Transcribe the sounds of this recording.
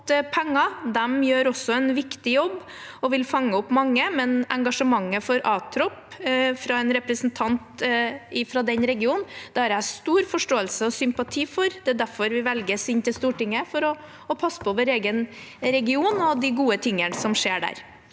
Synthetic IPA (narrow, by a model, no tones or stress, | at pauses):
pʰɛŋːɑd̪ɛmjøːɾɔsːɔɛnʋɪkt̪ɪjɔbː | ɔʋɪlfɑŋːəɔpːmɑŋːəmɛnʔɛŋɡɑʂəmɑŋːəfɔɾɑːt̪ʰɾɔpfɾɑɛnɾɛpɾəsnt̪ʰɑnt̪ɪfɾɑd̪ɛnɾɛɡɪuːnnd̪̥ɛɑɾæst̪uːɾfɔʂʈoːəlsəɔsʏmpɑt̪ʰiːfɔɾd̪ɛæːd̪æɾfɔɾʋɪʋɛlɡəsɪnːt̪ɪlst̪uːʈɪŋːəfɔɾɔː | pʰɑsːə̥pʰɔʋəɾeːɡən | ɾɛɡɪuːnɔd̪ɪɡuːət̪ʰɪŋːənsɔmʂeːɖæ̰ːɾ